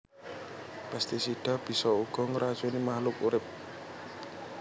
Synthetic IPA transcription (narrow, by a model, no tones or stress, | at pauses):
past̪isid̥a̤b̥i̤sɔuɡ̥ɔŋɾḁd͡ʒonimahlʊkuɾɪp̚